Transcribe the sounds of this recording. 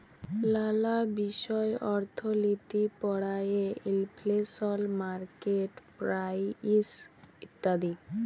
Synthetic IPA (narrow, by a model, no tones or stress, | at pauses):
lalabiʃɔeʔɔɾt̪ʰolit̪ipɔɽajeilplesɔlmaɾkeʈpɾajisit̪ːad̪i